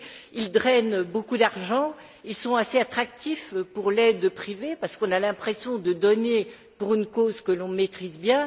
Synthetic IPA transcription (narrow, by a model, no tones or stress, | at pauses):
ild̪ʁɛnbokud̪aʁʒɑ̃ | ilsɔ̃aseat̪χak̚t̪ifpuʁlɛd̪pχivepaʁsə̥kɔ̃nalɛ̃pχesjɔ̃d̪əd̪ɔne | puʁynkozkəlɔ̃met̪χizbjɛ̃